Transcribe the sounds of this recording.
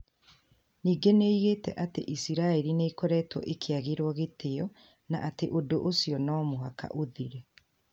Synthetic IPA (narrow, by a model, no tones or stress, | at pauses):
niːɡeneiɣeːtɛʔatḛʔisiɾaeɾineikɔɾɛːtwɔ̰ʔekʰeaɣeɾwɔɣeteɔ | na̰ʔateʔodoʔosiɔnɔːmoɦaka̰ʔoðiɾe